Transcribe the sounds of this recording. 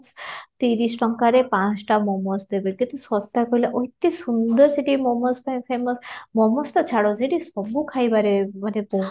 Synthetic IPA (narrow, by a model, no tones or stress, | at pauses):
st̪iɾisʈɔŋkaɾepãt͡sʈamɔmɔsd̪ebekit̪usɔst̪akɔilaʔojt̪isund̪ɔɾseʈimɔmɔspãpʰemɔsmɔmɔst̪ɔt͡ʃʰaɽoseʈisɔbukʰajbaɾebaɾepo